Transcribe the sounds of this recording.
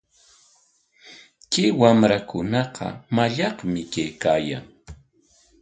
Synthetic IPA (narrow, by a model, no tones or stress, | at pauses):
kɪwamɾakʊnɑqʰɑ̰maʎɑqmɪkajkaːja̰ŋ